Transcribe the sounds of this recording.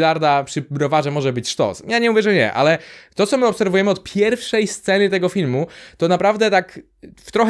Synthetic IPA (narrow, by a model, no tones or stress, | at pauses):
laɾd̪apʂɘbɾɔvaʐɛmɔʐɛbɘt͡ɕʂt̪ɔ̰sjaɲɛmuvʲjɛʐɛɲɛ̰ʔa̰lɛt̪ɔt̪sɔmɘɔpsɛɾvujɛmɘɔt̪̚pʲjɛɾfʂɛjst̪sɛnɘt̪̬ɛɡɔfʲilmut̪ɔnapɾavd̪ɛt̪ak | ft̪ɾɔx